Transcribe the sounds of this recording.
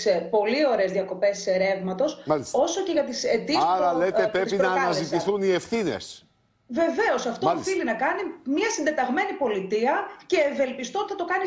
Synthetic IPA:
sepo̞lio̞ɾezðiɐko̞pe̞sseɾe̞vmɐt̪o̞sɐlso̞so̞ce̞ʝɐt̪ised̪isɐɾɐlet̪epɾeinɐːɐnɐzit̪iθuniefθinḛs | ve̞ve̞o̞sɐft̪oθilinɐkɐnimɲɐsind̪e̞t̪ɐɣme̞nipo̞lit̪iɐce̞ːve̞lpist̪ot̪i̥θɐt̪o̞kɐni

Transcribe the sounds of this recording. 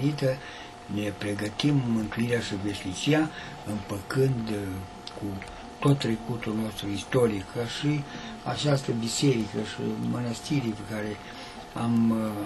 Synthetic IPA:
nit̪ə | ne̞pɾe̞ɡət̪immɨnt̪uiɾeaʃiveʃnit͡ʃia | ɨmpəkɨnd̪ | ku | t̪o̞t̪ːɾe̞kut̪ulno̞st̪ɾuist̪o̞ɾikʰəʃi | a̰t͡ʃast̪əbise̞ɾikəʃḭmənəst̪iɾiepekaɾe | am

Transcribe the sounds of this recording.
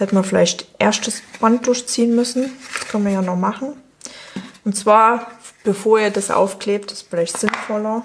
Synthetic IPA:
hɛtəmafɪla̰ɪçtʔeɐstəsb̥ant̚d̥ʊɐçt͡siːənmʏsn̩d̥askʰœnmiɐjaːnɔχmaχn̩ | ʊntt͡sv̥aːɐb̥əfoːɐiːɐdasʔa̰ʊfkl̥eːp̚tɪ̥stfɪlaɪçtz̥ɪnfɔlɐ

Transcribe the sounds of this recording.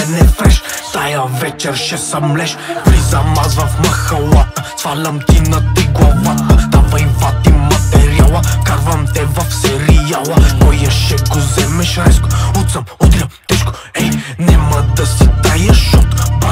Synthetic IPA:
nɛfɛʃt̪ajɐvɛt͡ʃɛɾʃɛsɐmlɛʃpɾizɐmazvɐfmɐxɐlˠat̪ət̪valʲɐmt̪inɐt̪ɐiɡlˠɐvat̪ət̪avɐimfat̪imɐt̪ɛɾialˠəkaɾvɐmt̪ɛvɐfsɛɾijalˠəkɔjɐʃɛkʊzɛmɛʃaɾɛskoɔt̪sɐmɔd̪ɾʲɐmt̪ɛʃko̥ | ɛnɛmɐd̪ɐsit̪ajɐʃɔt̪ba

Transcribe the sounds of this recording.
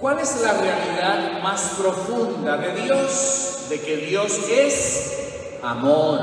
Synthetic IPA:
kwalezlarealiðaðmaspɾo̞fund̪aðe̞ðjosðekeðjoses | amoɾ

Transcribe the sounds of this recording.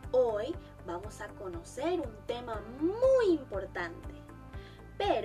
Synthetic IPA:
oj | bamosakonoseɾunt̪emamujimpoɾt̪ãnt̪e | peɾ

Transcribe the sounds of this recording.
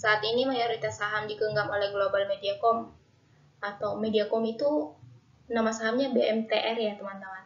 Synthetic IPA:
saːt̪inimajoɾit̪asaɦamdikəŋɡamolɛhɡlobalmediakɔm | ʔat̪awmediakɔmit̪u | namasaɦamɲabeɛmt̪eʔɛrjat̪əmant̪əman

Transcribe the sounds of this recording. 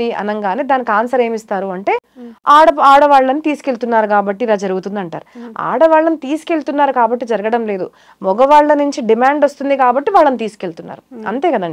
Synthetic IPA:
iɐ̰nɐŋɡaːneːd̪aːnikaːnsɐɾeːmist̪aːɾuɐɳʈe̞ːaːɽɐaːɽɐʋaːɭːɐnit̪iːsi̥ke̞ɭt̪unːaːɾukaːbɐʈːilaːd͡ʒɐɾuɡut̪und̪iɐɳʈa̰ːɾua̰ːɽɐʋaːɭːɐnit̪iːsi̥ke̞ɭt̪unːaːɾukaːbɐʈːid͡ʒɐɾɐɡɐɽɐmle̞ːd̪ṵ | mɔɡɐʋaːɭːɐnuɲt͡ʃiɖimaːɳɖost̪und̪ikaːbɐʈːiʋaːɭːɐnit̪iːsi̥keɭt̪unːa̰ːɾuɐ̰nt̪e̞ːkɐd̪ɐɳɖi

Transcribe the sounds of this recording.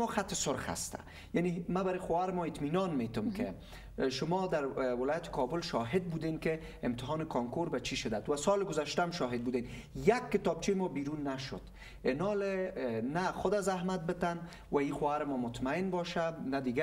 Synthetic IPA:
mɔxat̪ɪsʊɾxa̰st̪a̰ | janemabaɾɪxoaɾɪmɔɪt̪minɔnmet̪ʊmkɪ̰ | ʃʊmɔd̪aɾwɪlɔjat̪ɪ̥kʰɔbʊlʃɔɦɪd̪̚bud̪enkɪ | ɪmt̪ɪɦɔnɪkʰɔŋkoɾbat͡ʃʰiʃɪd̪at̪wasɔlɪɡʊzaʃt̪amʃɔɦɪd̪̚bud̪en | jakːɪt̪ɒb̚t͡ʃʰejɪmɔbiɾunːaʃʊ̰d̪ | ɪnɔlenaxʊd̪azahmat̪̚bɪt̪an | waixwoaɾɪmɔmʊt̪maɪnbɔʃanad̪iɡa

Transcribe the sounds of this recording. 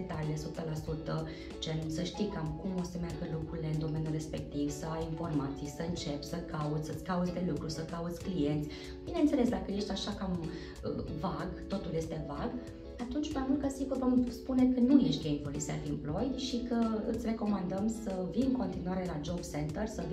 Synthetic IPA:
t̪alilesut̪əlasut̪ə | t͡ʃensəʃt̪ikamkumo̞səmearɡəlukɾuɾile̞ɨnd̪o̞me̞njulre̞spe̞k̚t̪ivsəajinfo̞rmat̪sijsəɨnt͡ʃe̞pʲsəkʰaut̪sʲsət̪sʲkaut̪sʲd̪e̞lukɾusəkaut̪sʲklije̞nt̪sʲ | b̥ine̞nse̞le̞sd̪akəje̞ʃt̪ʲaʃakam | ə̰vaɡt̪o̞t̪uljest̪e̞vaɡ | at̪unt͡ʃʲmajmult̪̚kasiɡurvomspune̞kənuje̞ʃt̪ɡejmpo̞lisiafimplo̞jd̪ʃikəɨt̪sʲre̞ko̞mand̪əmsəvimɨŋko̞nt̪inuaɾe̞lad͡ʒo̞bse̞nt̪ərsə

